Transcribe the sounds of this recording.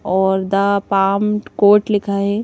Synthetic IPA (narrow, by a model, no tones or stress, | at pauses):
ɔːɾd̪apaːmkoːʈlɪkʰaɦɛ